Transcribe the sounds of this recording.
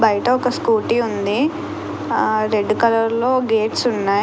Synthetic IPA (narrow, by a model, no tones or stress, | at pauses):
bɐjɐʈɐɔkɐskuːʈiund̪i | ɾe̞ɖːkɐlɐɾlo̞ːɡe̞ːʈsunːaː